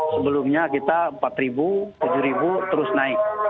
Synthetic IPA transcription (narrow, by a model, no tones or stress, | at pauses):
səbəlʊmɲakit̪ampat̪ɾibut̪ud͡ʒuɾibut̪əɾʊsnaɪk̚